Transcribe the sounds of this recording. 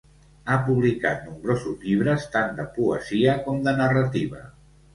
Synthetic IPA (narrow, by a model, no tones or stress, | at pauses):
apuβlika̰t̪̚numbɾozuzʎiβ̞ɾəst̪and̪əpuə̰ziəkɔmd̪ənərət̪iβ̞ə̰